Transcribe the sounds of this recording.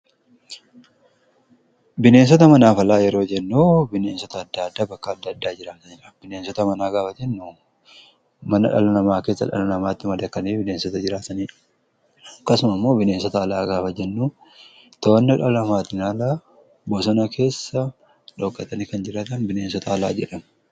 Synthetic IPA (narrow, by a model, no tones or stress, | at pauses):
bɪne̞ːns̬ɔt̪ɐmɐnaːfɐlaːjɛɾo̞ːd͡ʒɛnːoːbɪne̞ːnsɔt̪ɐːd̪ːɐd̪ːaːbɐkːɐːd̪ːɐːd̪ːaːd͡ʒɪɾɐkɐnɛᶑɐbɪneːnsɔt̪ɐmɐnaːɡaːfɐd͡ʒɛnːuː | mɐnɐᶑɐ̰lɐnɐmaːke̞ːsːɐ̰ᶑɐ̰lɐnɐmaːt̪ːɪmɐd̪ɐkːɐniːbɪneːnsɔt̪ɐd͡ʒɪɾaːt̪ɐniː | ɐkːɐsʊmɐmːo̞ːbɪne̞ːnsɔt̪ɐːlaːɡaːfɐd͡ʒɛnːuː | t̪oːnːɐᶑɐlɐmaːt̪ːɪnaːlaː | bosɔnɐkʰe̞ːsːɐ | ᶑɔkʼːɐt̪ɐnɪkɐnd͡ʒɪɾaːt̪ɐnbɪneːnsɔt̪ɐːla̰ːd͡ʒɛᶑɐmɐ